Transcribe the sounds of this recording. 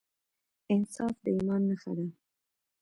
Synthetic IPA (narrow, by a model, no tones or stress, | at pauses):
ɪnsɑfd̪əimɑnːəxa̰d̪a